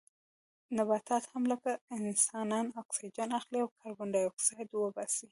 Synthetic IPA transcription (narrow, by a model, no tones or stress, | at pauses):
nabɑt̪ɑt̪hamləkaɪnsɑnɑnaksid͡ʒanaxliawkʰɑɾɡʊɳɖɑjaksɑjd̪wəbɑsi